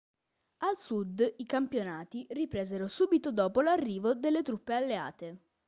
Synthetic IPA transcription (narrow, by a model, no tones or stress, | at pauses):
alsud̪ikampjonaːt̪iripɾeːzeɾosuːbit̪od̪ɔːpolarːiːvod̪elːet̪ɾupːealːea̰ːt̪e